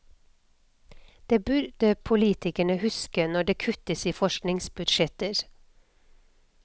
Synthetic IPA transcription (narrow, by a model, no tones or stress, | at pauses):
d̪̥eːbʉɾd̪̥əpʰʊliːt̪ɪkəɳəhʉskənɔɖeːkʰʉt̪əsiːfɔʃknɪŋsbʉd̪ʃɛt̪əɾ